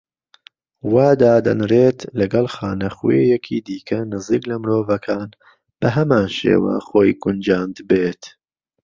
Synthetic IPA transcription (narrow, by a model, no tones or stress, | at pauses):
waːd̪aːd̪ɐ̰nɾeːt̪lɐɡɐlˠxaːnɐχwejɛkʰiːd̪iːkʰɐnɨziːklɐmɾoːvɐkʰaːn | b̥ɐɦɐmaːnʃḛːwa̰χoːjɡʊnd͡ʒaːnd̪beːt̪